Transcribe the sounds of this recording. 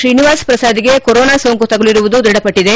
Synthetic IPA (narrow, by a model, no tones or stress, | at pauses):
ʃɾiːniʋaːspɾɐsaːd̪iɡe̞koɾoːnaːsoːŋkut̪ɐɡɐɭiɾuʋud̪ud̪iɽɐpɐʈːid̪e̞